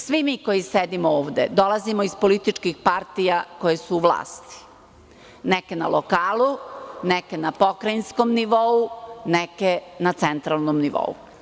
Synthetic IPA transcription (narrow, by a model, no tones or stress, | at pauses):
sʋimiko̞jised̪imooːʋd̪ḛd̪o̞lazimoispolit̪it͡ʃkixpaɾt̪ijako̞jesuːʋlˠa̰ːst̪i̥ | nekena̰lʔokaːlˠunekenapokɾajnskomniʋounekenat̪sent̪ɾalˠnomniʋo̰ṵ